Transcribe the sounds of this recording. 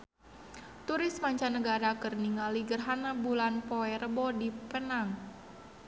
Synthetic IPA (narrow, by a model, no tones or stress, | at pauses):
t̪uɾɪsmaɲt͡ʃanəɡaɾakərniŋaliɡərɦanabulanpɔɛɾəbɔdipənaŋ